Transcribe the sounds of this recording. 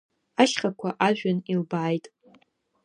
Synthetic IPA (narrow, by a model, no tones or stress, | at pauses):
aʃχʲakʷʰaʔaʒᶣanilbaːjtʼ